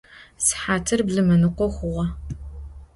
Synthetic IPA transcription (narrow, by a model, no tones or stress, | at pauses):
sħaːtʰɨrbɮɨmɐnɨqʷɔxʷʊʁɐ